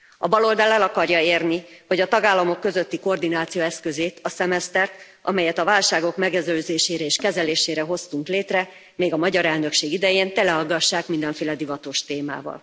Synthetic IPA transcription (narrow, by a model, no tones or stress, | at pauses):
ɒbɒlo̞ld̪ɒlɛlɒkɒrjɒeːrnihoɟɒt̪ɒɡaːlːɒmo̞kːø̞zøt̪ːiko̞rd̪inaːt̪sijoːɛskøzeːt̪ʰɒsɛmɛst̪ɛrt̪ | ʔɒ̰mɛjɛt̪ɒvaːlʃaːɡo̞kmɛɡɛzøːzeːʃeːɾɛeːʃkɛzɛleːʃeːɾɛɦo̞st̪uŋkleːt̪rɛ | meːɡɒmɒɟɒɾɛlnø̞kʃeːɡid̪ɛjeːnt̪ɛlɛɦɒɡːɒʃːaːkmind̪ɛɱfeːlɛd̪ivɒt̪oːʃt̪eːma̰ːvɒ̰l